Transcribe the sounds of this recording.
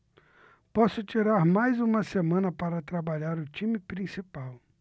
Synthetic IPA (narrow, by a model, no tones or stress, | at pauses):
pɔsʊt͡ʃiɾaɾmajzũmɐsemɐ̃nɐpaɾɐt̪ɾabaʎaɾʊt͡ʃĩmɪpɾĩsipaw